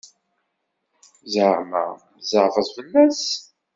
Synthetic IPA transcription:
zʕmæ̰ | zəʕfəzˤvəlːæs

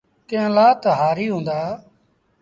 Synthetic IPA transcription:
t̪ɪ̃jãːlaːt̪əɦaːɾiːɦũːnd̪aː

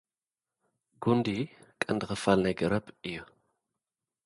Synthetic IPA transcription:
ɡund̪ikʼɐnd̪ɨkɐfalnɐjɡɐɾɐbɨjːu

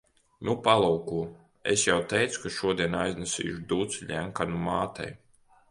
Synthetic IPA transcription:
nupalˠuwkuː | ḛsjawt̪ɛjt̪su̥kaʃuɔd̪iɛnajznɛsʲḭːʃud̪ut̪siʎʲæmkanumaːt̪ɛ̰j

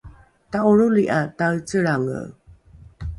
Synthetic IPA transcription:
tauɻuliʔatajt͡səɭaŋə̰

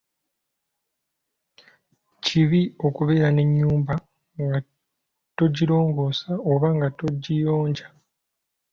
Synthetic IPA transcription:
ciβio̞kuβe̞ːɾane̞ɲːuːmba | ŋɡa | to̞ɟiɾo̞ːŋɡo̞ːsaoβaŋɡato̞ɟːijo̞ːɲɟa

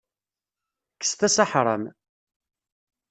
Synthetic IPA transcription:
kːə̥st̪æsaħɾˤə̰m

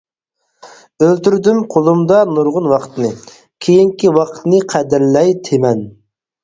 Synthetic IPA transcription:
ølt̪yɾd̪ymqʰolˠumd̪ɑnuɾʁʊnwɑqʰt̪ɨnɨ | kʲʰejiŋkʲiwɑqʰt̪nɨqʰæd̪ɪɾlɛjt̪ʰemɛn

